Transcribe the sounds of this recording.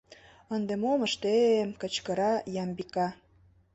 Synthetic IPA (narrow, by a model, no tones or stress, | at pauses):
ənd̪emoməʃt̪emkə̆t͡ɕkəɾɑjɑmbikɑ